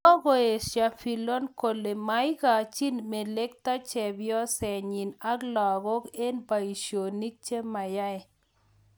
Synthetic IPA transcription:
ɔ˦ɡɔ˨e˨ʃja˨fi˨lo˦nko˨le˨ma˨˦jɡa˨t͡ʃi˦nme˨le˦kt̪a˦t͡ʃɛ˨bjɔ˦sɛ˨ɲi˨na˦ɡlɔ˨ɡɔ˦ke˦npa˨i˨ʃo˨ni˦k̚t͡ʃe˦ma˨ja˦ɛ˨

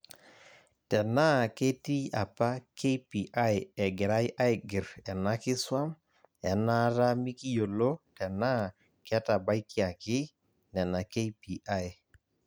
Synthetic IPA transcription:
tɛ˨na˦ke˦ti˦a˨pa˦ke˦pi˨ʔa˦jɛ˨ɡɪ˨ɾa˦jʔa˦jɡɪ˨ɾɛ˨na˦kɪ˦swa˦m | ɛ˨na˦ɾa˦mi˦ki˦jo˨lo˦tɛ˨na˦ | kɛ˦ta˨ba˦jkɪ˦a˨kɪ˦ | nɛ˨na˨ke˦pi˨ʔa˦j

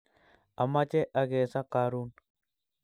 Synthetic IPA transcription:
a˨ma˦t͡ʃe˦ʔa˨ɡɛsa˦kaɾun

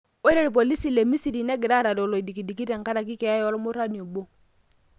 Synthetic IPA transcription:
o˦ɾe˦ɾi˨p̬o˨li˦si˨le˨mi˦si˦˨ɾi˨nɛ˦ɡɪ˨ɾa˦ɾa˨dɔ˨lo˨i˨di˨ki˨di˨ki˦ɾɛ˨ŋka˦ɾa˨ki˦kɛ˨a˦jɔ˦lɔ˦mo˦ɾa˦ni˨o˨bo˦

